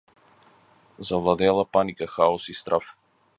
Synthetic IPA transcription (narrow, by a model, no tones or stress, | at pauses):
zavlˠad̪ɛlˠapanikaxaɔsist̪ɾaf